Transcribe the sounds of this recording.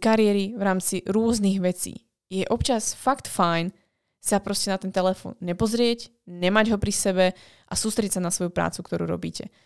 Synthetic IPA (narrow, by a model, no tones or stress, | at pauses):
kaɾɪɛɾiʋɾaːmt͡siɾʊɔzniɣʋɛt͡sḭː | jɛʔɔpt͡ʃasfakt̪fajn | sapɾɔscɛnat̪ɛnt̪ɛlɛfɔ̰ːnɲɛpɔzɾɪɛc | ɲɛmaɟɦɔpɾisɛbɛ | ʔasuːst̪ɾɛɟɛt̪sanasʋɔjupɾa̰ːt͡sukt̪ɔɾṵːɾɔ̰bḭːcɛ